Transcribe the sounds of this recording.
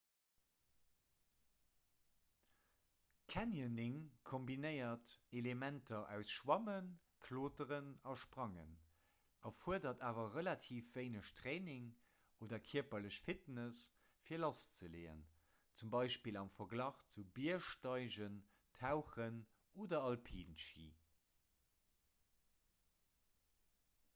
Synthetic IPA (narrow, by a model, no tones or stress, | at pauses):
kʰænjənɪŋkʰombinəɪɐtelemæntʰɐʔæʊsʃwɑmən | kʰloːtəʁənɑʃpʁɑŋə̰n | ʔɑfuəɐdɐtaːvɐʁəlɑtʰiːfv̥əɪnəɕtʰʁeːnɪŋ | oːdɐkʰiɐpɐləɕfitnəs | fiːɐlɑst͡səleːə̰n | t͡sumbɑɪʃpiːlɑmfɐɡlɑːχt͡subiɐʃtɑɪʑən | tʰaʊχən | oːdɐɑlpʰiːnʃḭː